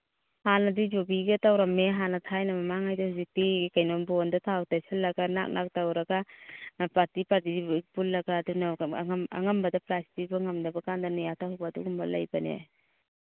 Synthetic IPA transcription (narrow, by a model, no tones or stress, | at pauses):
hanadid͡ʒɔbiɡetawɾameɦanatʰajnamamaŋajdahuzik̚tikajnɔnbɔndatʰawtajsalːɐɡana̰k̚nʔa̰k̚tawɾaɡanapatipatik̚bulːɐɡaːdunama̰ŋambɐdapɾastibaŋamdabakandanijatʰahubaduɡumbala̰jbanḛ